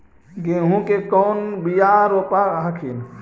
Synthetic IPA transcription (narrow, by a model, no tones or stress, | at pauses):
ɡeɦũkekɔːnbijaɾopaakʰin